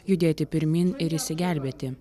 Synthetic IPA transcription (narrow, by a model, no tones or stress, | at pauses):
jʊd̪ʲeːt̪ʲɪpʲɪɾʲmʲinɪɾisʲɪɡʲæˑlʲbʲeːt̪ʲɪ